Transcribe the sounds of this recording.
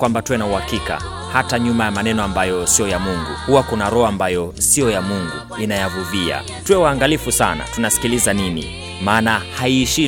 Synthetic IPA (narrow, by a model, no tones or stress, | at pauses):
kwambatuwɛnauhakika̰ | hataɲumajamanɛnɔambajɔsijɔjamuŋɡuhuwakunaɾɔaambajɔsijɔjamuŋɡu | inajavuvia̰ | tuwɛwaːŋɡalifusa̰na̰tunasi̥kilizaninḭ | maːnahaiːʃi